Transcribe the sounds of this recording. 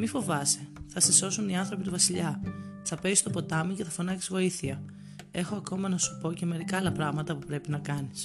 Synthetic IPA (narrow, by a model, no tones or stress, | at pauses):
mifo̞vɐseθɐseso̞suniɐnθɾo̞pit̪uvɐsiʎɐsɐpe̞ist̪opo̞t̪ɐmuce̞θɐfo̞nɐci̥zɣo̞iθiɐ | e̞xo̞ɐko̞mɐnɐsu̥po̞ce̞me̞ɾikɐːlɐpɾɐɣmɐt̪ɐpupɾe̞pinɐkɐnis